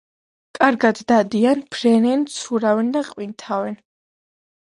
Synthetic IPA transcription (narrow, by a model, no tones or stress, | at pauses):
kʼaɾɡad̪ːad̪ianpʰɾɛnɛnt̪sʰuɾavɛnd̪aqʼwint̪ʰavɛn